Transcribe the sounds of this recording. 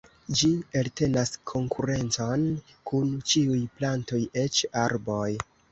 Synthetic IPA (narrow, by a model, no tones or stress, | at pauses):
d͡ʒielte̞naskʰo̞ŋkʰuɾe̞nt͡so̞n | kunt͡ʃiujplanto̞je̞t͡ʃaɾbo̞j